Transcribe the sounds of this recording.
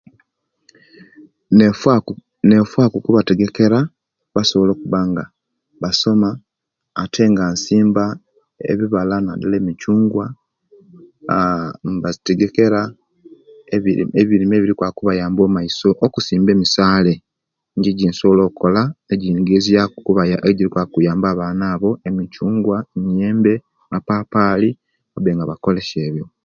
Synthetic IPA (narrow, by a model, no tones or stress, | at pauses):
ne̞fwaːkukuβate̞ɡeke̞ɾa | βaso̞βolo̞ːkuβaŋɡa | βaso̞maː | tʰe̞ŋɡansiːmba | ḛβiβalanadale̞ːmicuːŋɡwa | mbateɡe̞ke̞ɾa | eβeβiɾimeːβiɾikwakuβajaːmbo̞ːmaiso̞ʔokusiːmbe̞ːmisaːle̞ | ɲɟiɟiːnsolo̞ːko̞laeɟinɡezijakuβajaeɟiɾikwakujaːmbaːβaːnaːβo̞e̞micuːŋɡwaemijeːmbe̞ | mapaːpaːli | βabe̞ːŋɡaβako̞le̞ʃe̞ːβjo̞